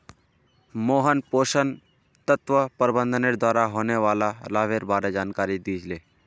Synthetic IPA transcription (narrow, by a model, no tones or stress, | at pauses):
moːɦənpoːʃən | t̪ət̪ʋəpəɾbə̃nd̪ʱəneɾd̪ʱwaːɾaɦoːneʋaːlalaːʋeɾbaːɾed͡ʒaːnkaːɾid̪iːd͡ʒleː